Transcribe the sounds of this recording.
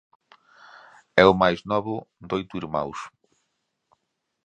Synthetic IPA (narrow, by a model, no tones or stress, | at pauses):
ɛʊmajznɔβʊd̪ojt̪ʊiɾma̰ws